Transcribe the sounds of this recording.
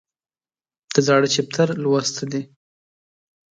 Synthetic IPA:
d̪̥əzɑɽət͡ʃɪp̚t̪ʰaɾlwast̪ʰad̪e

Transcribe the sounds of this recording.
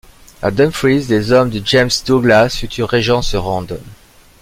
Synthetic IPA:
ad̪ɛ̃nfɹizlezɔmd̪əd͡ʒɛmsd̪uɡlasfyt̪ʰyʁeʒɑ̃səʁɑ̃d̪

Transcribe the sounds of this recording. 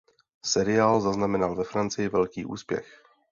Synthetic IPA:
sɛɾɪaːlzaznamɛnalvɛfɾant͡sɪjɪvɛlkiːʔṵːspjɛ̰x

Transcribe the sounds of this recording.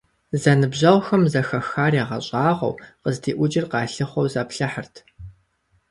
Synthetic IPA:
zɐnɨbʑɐwxɐmzɐxɐxaːraːʁɐ̰ɕʼɑːʁɐ̰wqəzdʰiːʔʷʊd͡ʒɪrqɑːɬɨχʷɔwzɐːpɬɐħərtʰ

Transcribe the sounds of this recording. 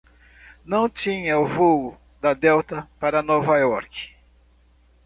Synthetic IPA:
nɐ̃w̃t͡ʃĩɲɐʊvowʊ | d̪ɐd̪ɛwt̪ɐpaɾɐnovajɔɾkɪ̥

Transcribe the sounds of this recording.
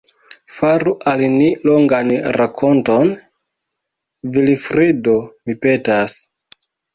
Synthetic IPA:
faɾuʔalniloŋɡanɾakʰo̞nto̞n | vilfɾido̞mipe̞tas

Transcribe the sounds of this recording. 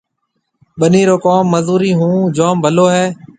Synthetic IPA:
ɓəniːɾoːkoːmːəzuːɾiːɦũːd͡ʒaːmbʱəloːɦɛː

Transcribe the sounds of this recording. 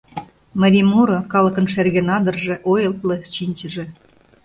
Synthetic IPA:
məɾʲimuɾokɑlə̆kə̆nʃerɣenɑd̪ə̆rʒĕʔojəlt̪leɕinʲt͡ɕəʒĕ

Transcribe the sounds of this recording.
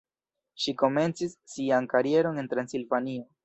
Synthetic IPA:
ʃiko̞me̞nt͡sisːiankaɾie̞ɾo̞ne̞nt̪ɾansilvanio

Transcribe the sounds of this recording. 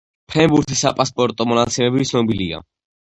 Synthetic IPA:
pʰɛmbuɾt̪ʰisapʼaspʼɔɾt̪ʼɔmɔnat̪sʰimɛbiitsʰnɔbiliɡa̰

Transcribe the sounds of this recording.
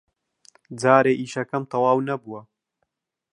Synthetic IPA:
d͡zaːɾeːʔiːʃɐkɐmt̪ʰɐwaːwnɐbuwɐ

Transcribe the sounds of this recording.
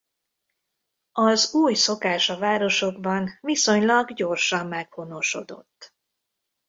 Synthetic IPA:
ɒzuːjso̞kaːʃɒvaːɾo̞ʃo̞ɡbɒnviso̞ɲlɒɡɟo̞rʃɒmːɛkho̞no̞ʃo̞d̪o̞̰t̪ː

